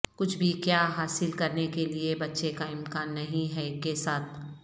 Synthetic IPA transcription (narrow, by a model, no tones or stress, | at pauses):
kʊt͡ʃʰbʱikjaːɦaːsɪlkɐɾnekeliebɐtːʃekaɪmkaːnːɐɦĩɦɛkesaːt̪̚ʰ